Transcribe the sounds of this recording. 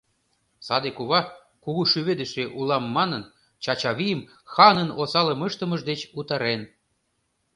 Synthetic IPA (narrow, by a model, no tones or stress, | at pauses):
sɑd̪ekuβɑ | kuɣuʃyβed̪ə̆ʃeʔulɑmːɑnɤn | t͡ɕɑt͡ɕɑβijəm | xɑnə̆nosɑlə̆mɤ̆ʃt̪ɤ̆mə̆ʒd̪et͡ɕut̪ɑɾen